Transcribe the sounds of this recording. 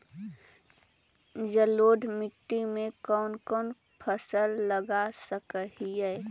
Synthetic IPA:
d͡ʒəloːɖʱmɪʈːimẽkɔːnkɔːn | pʰəsəlːəɡasəkəɦiɛ

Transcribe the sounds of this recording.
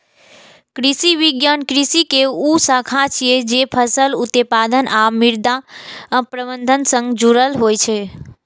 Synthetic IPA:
kɾisiʋiɡjankɾisikeusəkʰãt͡ʃʰied͡ʒepʰəsəlut̪epad̪ənʔamiɾd̪ã | pɾəbənd̪ʱənsə̃ŋɡd͡ʒuɾəlɦojt͡ʃʰe

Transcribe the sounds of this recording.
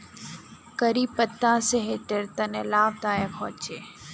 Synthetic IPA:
kəɾiːpət̪ːãːseɦeːʈəɾt̪ɐnelaːb̚t̪aːjeːkʰɔ̰ːt͡ʃeː

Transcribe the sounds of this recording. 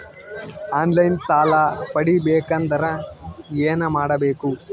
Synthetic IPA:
aːnlɐjnsaːlɐpɐɽibeːkɐnd̪ɐɾɐeːnɐmaːɽɐbeːku

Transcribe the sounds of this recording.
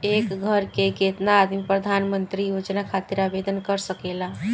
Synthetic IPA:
ekɡʱəɾkeket̪naːd̪mipɾəd̪ʱanmənt̪ɾijod͡ʒnakʰat̪iɾabed̪ənkəɾsəkela

